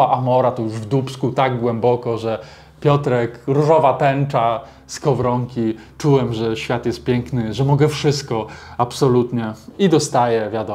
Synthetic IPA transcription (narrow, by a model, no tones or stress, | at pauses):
aʔamɔɾat̪ɔjuʐvd̪upskut̪aɡɡwɛmbɔkɔʐɛ | pʲjɔt̪ɾɛkɾuʐɔvat̪ɛnt͡ʂa | skɔvɾɔŋkʲi | t͡ʂuwɛmʐɛɕfʲjat̪jɛst̪̚pʲjɛŋknɘʐɛmɔɡɛfʂɘst̪̚kɔapsɔlut̪ɲɛid̪ɔst̪ajɛvʲjad̪ɔ